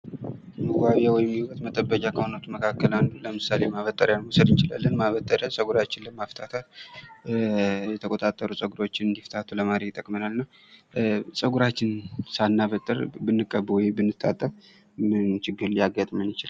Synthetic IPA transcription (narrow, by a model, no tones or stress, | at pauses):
mɨɡʷaβewɔjmːiwət̪mət̪ʼəbːəkʼakʰəhonot̪ʰuməkʰakːəlanːuləmɨsalemaβət̪ʼːəɾjausəd̪ɨnt͡ʃɪla̰lːənmaβət̪ʼːəɾəsʼəɡuɾat͡ʃːɪnləmaft̪ʰat̪ʰal | jɛt̪ʰəkʼo̞t̪ʼat̪ʼːəɾusʼəɡuɾo̞t͡ʃːɪnɨnd̪ift̪ʰat̪ʰuləmaɾejɪt̪ʼəkʼmənalnəw | sʼəɡuɾat͡ʃːɪnsanːaβət̪ʼːəɾbɨnːɨkʼːəbːwɔjbɨnːɨt̪ʰʼːa̰t̪ʼːəf | mɨnt͡ʃɪɡːɨɾljaɡat̪ʼmənjɪt͡ʃɪlal